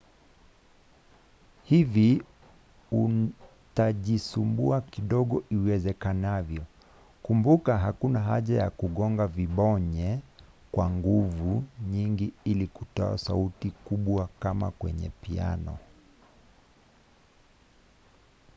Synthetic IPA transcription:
hivi | u | taʄisumbuakiɗɔɠɔʔiwɛzɛkanavjɔ | kumbukaɦakunaɦa̰ʄajakuɠɔŋɡaviɓɔɲɛ | kwaŋɡuvuɲiŋɡiilikutɔ̰a̰sa̰utikuɓwakama̰kwɛ̰ɲɛ̰pia̰nɔ̰

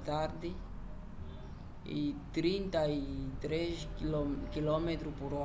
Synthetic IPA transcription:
t̪aɾd̪ɪ | ḭt̪ɾĩnt̪ait̪ɾeskilɔmet̪ɾupuɾɔ

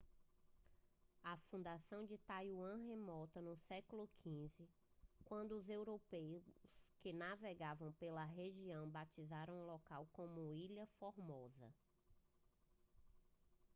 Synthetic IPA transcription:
ɐfũd̪asɐ̃w̃d͡ʒɪt̪ajuɐ̃ɦemɔt̪ɐnʊsɛkʊlʊkʰĩzɪ | kwɐ̃nd̪ʊːzewɾopejskɪnaveɡavɐ̃w̃pelɐɦeʒiɐ̃w̃bat͡ʃizaɾɐ̃w̃lɔkawkõmʊiʎɐfoɾmɔzɐ̰

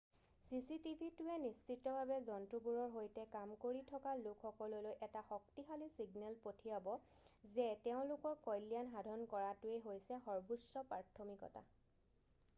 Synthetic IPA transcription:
sisitibʱitʊɛnist͡ʃitːɔbʱabɛzɔntɹubuɹɔɹɦojtɛkamkoɹitʰɔkalʊkʰxɔkɔlolojʔɛtaxɔk̚tixalisiɡnɛlpotʰijabɔ | zɛtɛʊ̃lʊkɔɹkɔjlijanɦadʱɔnkɔɹatʊeɦojsɛxɔɹbusɔpɹaɹtʰomikɔ̰ta̰

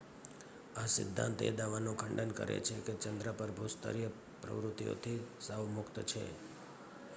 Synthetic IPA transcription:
asɪ̰d̪ʱːã̰nt̪ḛd̪aʋanõkʰəɳɖənkə̰ɾḛt͡ʃʰeket͡ʃənd̪ɾəpəɾbʱust̪ə̰ɾijə | pɾə̰ʋɾʊt̪ijo̰t̪ʰisəʋmʊkt̪t͡ʃʰḛ

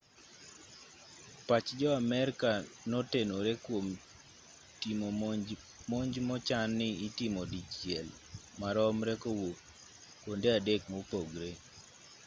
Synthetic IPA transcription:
pat͡ʃd͡ʒɔamɛɾkanɔtenoɾekwom | timo | moɲd͡ʒmɔt͡ʃanːɪitimodit͡ʃːjɛl | maɾɔmɾɛkowot | kwondeadekmopoɡɾe

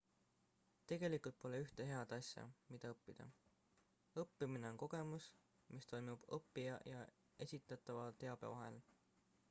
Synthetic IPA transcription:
t̪e̞ɡ̥e̞likˑult̪̚po̞leyht̪e̞ɦe̞ɑd̪̥ɑsʲjɑ̰mid̪̥ɑɤpːid̪̥ɑ̰ | ɤpːimine̞o̞nko̞ɡ̥e̞mus | mist̪o̞jmub̥ɤpːijɑjɑ | e̞sʲit̪ːˑɑt̪ːˑɑvɑt̪e̞ɑb̥ḛvɑɦe̞l

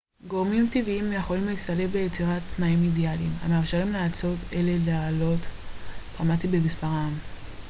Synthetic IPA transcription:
ɡo̞ʁmimtiviimjaχo̞limlisalevbejet͡siʁatnaimidjalima̰meamʃaʁimlaːt͡so̞te̞le̞leaːlo̞td̥ʁamatibemispaʁam

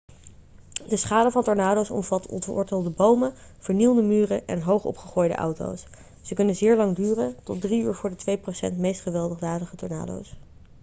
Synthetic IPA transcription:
dəsχaːdəvɑntɔɹnaːdowsɔ̰mvɑtʰɔ̰ntʊ̰ːɹdeːlˠdəbowməv̥əɹnilˠdəmyːrəʔɛ̰nɦowχɔ̰pχəχoːjdə̰ʔɑ̰wto̰ws | z̥əkɵnənzɪːɹlɑŋdyːrəntɔt̚driyːɹvʊːɹdətʋejprosɛ̰ntmejstχəʋɛlˠdəχdaːdəχətɔ̰ɹna̰ːdo̰ws

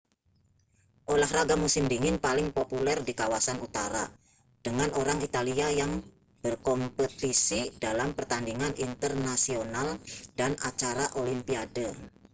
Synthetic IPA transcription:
ʔolahraɡamusɪmdiŋɪnpalɪŋpopulɛrdikawasanut̪a̰ɾa̰ | d̥əŋanʔoɾaŋit̪aliajaŋ | b̥ərkɔmpət̪isidalampərt̪andiŋanʔint̪ərnasionaldanat͡ʃaɾaʔolimpiadə

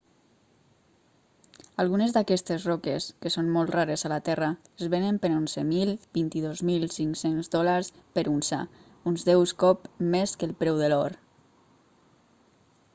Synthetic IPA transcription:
alˠɣunezd̪akɛst̪ezrokeskesonmɔlˠt̪raɾezalat̪ɛra | ezβenəmpeɾonzəmilˠb̥int̪iðozmilˠsiŋksenzdɔlaɾspəɾunsa̰ | unzðɛwskɔpmeskəlˠpɾɛwðəlɔɾ

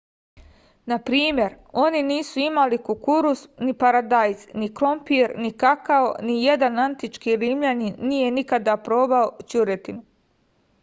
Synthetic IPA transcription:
napɾiːmje̞ɾ | o̞niniːsuimalikukuɾusnipaɾad̪ajznikɾo̞mpiɾnikakaonijed̪anant̪it͡ʃkiːɾimʎaninije̞nikad̪apɾo̞ːbaot͡ɕuɾet̪inu

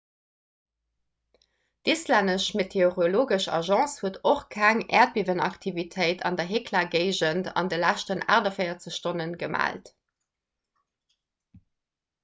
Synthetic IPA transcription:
dislændəʃmetʰeoʁoloːɡəʃɑ̰ʒɑ̃ːshuətoχkʰæŋɛ̰ːɐt̚b̥ivənɑ̰ktʰivitʰəɪtʰɑ̰ndɐɦeːkʰlaːɡəɪʒəntɑ̰ndəlæʃtəna̰ːʁdɐfɜɪɐt͡səɕʃtonənɡəma̰ːlt

